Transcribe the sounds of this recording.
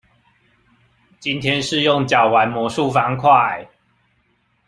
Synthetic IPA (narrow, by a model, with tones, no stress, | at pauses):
t͡ɕi˦nt̪ʰjɛ˦nʂɻ̩˥˧jo˥˨ŋt͡ɕjɑ˨˩ʊwa˨˦nmwɔ˨˥ʂu˥˨fa˨˦ŋkʰwa˥˩a˨˩ɪ